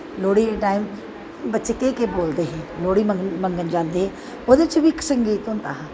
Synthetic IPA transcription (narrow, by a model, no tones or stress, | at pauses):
loːɽieʈaːɪm | bətːʃkekeboːld̪eɦɛ̃ːloːɽiməmə̃ŋɡənd͡ʒãːnd̪eɦɛ̃ː | od̪et͡ʃbʱiksəŋɡiːt̪ʊnt̪aːɦã